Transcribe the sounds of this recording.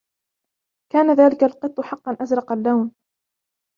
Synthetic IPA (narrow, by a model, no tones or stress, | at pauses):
kaːnaðaːlɪkalqɨt̪ˤːʊħɑqːɑnʔazɾˤɑqalːawn